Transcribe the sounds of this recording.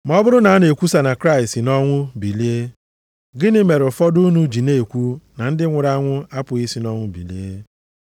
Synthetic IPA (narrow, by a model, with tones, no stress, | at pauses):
m˨˦ɔ˦bʊ˦ɾʊ˦na˨˦a˦ne˨kʷu˦sa˨na˨kɾa˦i˨stɪ˨nɔ˦ŋʷʊ˦bi˨li˦e˦ | ɡɪ˦nɪ˦me˨ɾʊ˨fɔ˦du˦nu˦d͡ʒi˨ne˦e˨kʷu˦na˨n̩˦dɪ˦ŋʷʊ˨ɾa˦ŋʷʊ˦a˦pʊ˨i˦si˦nɔ˦ŋʷʊ˦bḭ˨lḭ˦e˦